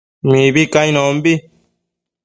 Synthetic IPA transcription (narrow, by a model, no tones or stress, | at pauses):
mĩβikaj̃nõmbi